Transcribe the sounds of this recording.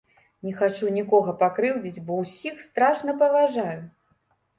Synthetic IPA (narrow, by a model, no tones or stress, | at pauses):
nʲɛxat͡ʂunʲikɔɣɐpakɾɨwd͡zʲit͡sʲbɔwsʲixst̪ɾaʂnɐpɐvaʐaju